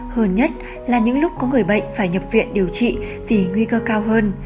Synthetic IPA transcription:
həː˧nɲə˦˥t̚ | laː˨˩ɲɨ̰˧˥ŋlʊ˦˥k͡p̚kɔ˨˦ŋɨ˨˩əjɓə̰˧˨jŋ̟faː˧˩jɲə˨˩p̚vḭ˧˨ənɗi˨˩əwt͡ɕḭ˧˨ | vi˨˩ŋwi˧kəː˧kaː˧wɦəː˧n

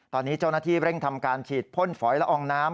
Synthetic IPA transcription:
t̪ɔː˧nːiː˦˥t͡ɕa˥˩wnaː˥˩t̪ʰiː˥˩ɾe˥˩ŋt̪ʰa˧mkaː˧nt͡ɕʰiː˨˩t̪̚pʰo˥˩nfɔː˩˦jlɛ˦˥ʔɔː˧ŋnaː˦˥m

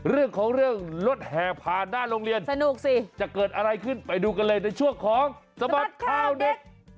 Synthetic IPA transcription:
ɾɯ˥˩əŋkʰɔː˩˦ŋɾɯ˥˩əŋlo˦˥t̪̚hɛː˨˩pʰaː˨˩nːaː˥˩ɾoː˧ŋɾi˧ənsa˧nu˨˩k̚si˨˩t͡ɕa˨˩ʔkɤː˨˩t̪̚ʔa˧ɾa˧jkʰɯ˥˩npa˧jduː˧ka˧nlɤː˧jna˧jt͡ɕʰu˥˩əkʰɔː˨˦ŋsa˧ba˨˩p̚kʰaː˧˥˩wde˨˩k̚

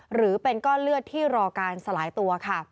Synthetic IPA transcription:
ɾɯː˩˦pe˧nkɔː˥˩lɯ˥˩ət̚t̪ʰiː˥˩ɾɔː˧kaː˧nsa˧laː˩˦jt̪u˧ɐkʰa˥˩

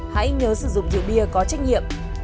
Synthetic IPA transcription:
ha̰˧˥jɲəː˨˦sɨ˧˩zʊ̰˧˨ŋ͡mzɨ̰˧˨ɓi˧əkɔ˨˦t͡ɕa˦˥jk̟̚ɲḭ˧˨əm

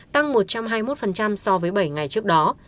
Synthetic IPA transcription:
t̪a˧ŋmo˨˩t̚t͡ɕa˧mɦaː˧jmo˦˥t̚fə˨˩nt͡ɕa˧msɔ˧vəː˨˦jɓə˧˩jŋa˨˩jt͡ɕɨ˦˥ək̚ɗɔ˨˦

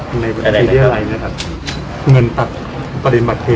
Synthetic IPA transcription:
na˧jba˧iː˧t̪ʰːɾa˧jna˦˥˩kʰa˦˥p̚ | ŋɤ˧nt̪a˨˩k̚ | pa˧ɾi˧˩ba˨˩t̪̚ːʰeː˧

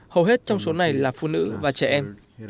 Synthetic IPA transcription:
hə˨˩wɦe˦˥t̚t͡ɕɔ˧wŋ͡mso˨˦na˨˩jlaː˨˩fṵ˧˨nɨ̰˧˥vaː˨˩t͡ɕɛ˧˩ʔɛ˧m

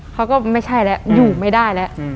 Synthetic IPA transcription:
kʰa˦˥wkɔː˥˩ma˥˩jt͡ɕʰa˥˩jlɛ˦˥juː˨˩ma˥˩jdaː˥˩jlɛ˦˥ʔ

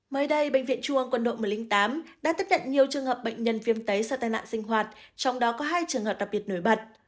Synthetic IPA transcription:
məː˨˦jɗə˧jɓə̰˧˨ŋ̟vḭ˧˨ənt͡ɕu˧ə˧ŋkwə˧nɗo̰˧˨m˨˩jli˧ŋt̪aː˨˦mɗa̰ː˧˥t̪i˦˥t̚ɲə̰˧˨nɲi˨˩əwt͡ɕɨ˨˧əŋhəː˨˩p̚ɓə̰˧˨ŋɲə˧nvi˧əmt̪ə˨˦jsaː˧t̪aː˨˩jna̰ː˧˨nsï˧ŋ̟ɦwaː˨˩t̚t͡ɕɔ˧wŋ͡mɗɔ˨˦kɔ˨˦ɦaː˧jt͡ɕɨ˨˩əŋhəː˨˩p̚ɗa˨˩p̚ɓi˨˩ət̚no˧˩jɓə˨˩t̚

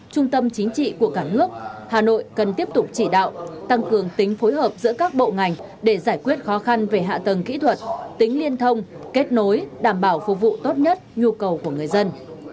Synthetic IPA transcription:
t͡ɕʊ˧ŋ͡mt̪ə˧mt͡ɕï˨˦ŋ̟t͡ɕḭ˧˨ku˧˩əkaː˧˩nɨ˦˥ək̚haː˨˩no̰˧˨jkə˨˩nt̪i˦˥əp̚t̪ʊ˨˩k͡p̚t͡ɕi˧˩ɗa̰ː˧˨wt̪a˧ŋkɨ˨˩əŋt̪ï˨˦ŋ̟fo˨˦jɦəː˨˩p̚zɨ̰˧˥əkaː˦˥k̚ɓo̰˧˨ŋa˨˩jŋ̟ | ɗe˧˩zaː˧˩jkwi˦˥ət̚xɔ˨˦xa˧nve˨˩ɦa̰ː˧˨t̪ə˨˩ŋkḭ˧˥t̪ʰwə˨˩t̚t̪ï˨˦ŋ̟li˧ənt̪ʰə˧wŋ͡mke˦˥t̚no˨˦jɗaː˧˩mɓaː˧˩wfṵ˨˧˩vṵ˧˨t̪o˦˥t̚ɲə˦˥t̚ɲu˧kə˨˩wku˧˩əŋɨ˨˩əjzə˧n

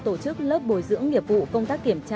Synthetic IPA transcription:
t̪o˧˩t͡ɕɨ˦˥k̚ləː˦˥p̚ɓo˨˩jzɨ̰˧˥əŋːi˨˩əp̚vṵ˧˨kə˧wŋ͡mt̪aː˦˥k̚ːi˧˩əmt͡ɕa˧

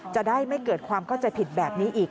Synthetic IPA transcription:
t͡ɕa˨˩ʔdaː˥˩jma˥˩jkɤː˨˩t̪̚kʰwaː˧mkʰa˥˩wt͡ɕa˧jpʰi˨˩t̪̚bɛː˨˩p̚niː˦˥ʔiː˨˩k̚

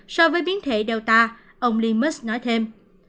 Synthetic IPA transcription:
sɔ˧vəː˨˦jɓi˨˦ənt̪ʰe˧˩ɗɛ˨˩wt̪aː˧ | ʔə˧wŋ͡mli˧mə˦˥snɔ˨˦jt̪ʰe˧m

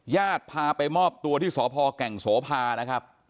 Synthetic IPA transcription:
jaː˥˩t̪̚pʰaː˧pa˧jmɔː˥˩p̚t̪u˧ət̪ʰiː˥˩sɔː˩˦pʰɔː˧kɛ˨˩ŋsoː˩˦pʰaː˧na˦˥kʰɾa˦˥p̚

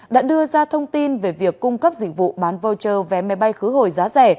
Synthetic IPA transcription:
ɗa̰ː˧˥ɗɨ˧əzaː˧t̪ʰə˧wŋ͡mt̪i˧nve˨˩vi˨˩əkːʊ˧ŋ͡mkə˦˥p̚zḭ̟̈˧˨vṵ˧˨ɓaː˨˦nvə˧wt͡ɕəː˨˩vɛ˨˩ma˨˦jɓa˧jxɨ˨˦ɦo˨˩jzaː˨˦zɛ˧˩

